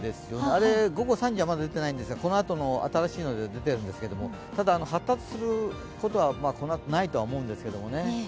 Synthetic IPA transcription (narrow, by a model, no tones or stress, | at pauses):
d̪e̞sɨjo̞neaɾe̞ɡo̞ɡo̞sãɲ̟d͡ʑiβamad̪ad̪e̞t̪e̞naĩnd̪esɨɡako̞no̞at̪o̞no̞a̰t̪aɾaɕiːno̞d̪e̞d̪e̞t̪e̞ɾɯ̟̃nd̪e̞sɨ̥ke̞d̪o̞mo̞ | t̪ad̪aːno̞hat̪ːat͡sɨ̥sɨɾɯ̟ | ko̞t̪o̞βamaːko̞noat̪onait̪o̞aomo̞ɯ̟̃nd̪e̞sɨ̥ke̞d̪o̞̰mo̞ne̞